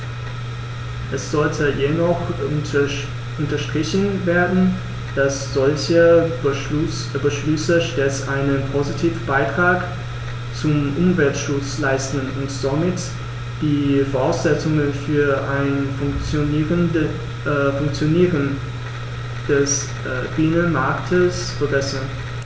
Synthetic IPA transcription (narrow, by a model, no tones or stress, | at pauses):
ʔɛsz̥ɔltʰəjenɔχ | ʔʊntɐʃtʁ̥ɪçn̩veːɐdn̩ | d̥asz̥ɔlçəb | bəʃlʏsəʃtɛsʔaɪnənpʰozitʰiːfb̥aɪtʁ̥aːk | t͡sʊmʔʊmvɛltʃʊt͡slaɪstn̩ʊntz̥omɪt | d̥iːfoːʁaʊsz̥ɛt͡sʊŋənfyːɐʔaɪnnft͡sːʁə | fʊŋkt͡sjoniːʁən | d̥ɛs | b̥ɪnənmaɐktʰəs | fɛʁɛsən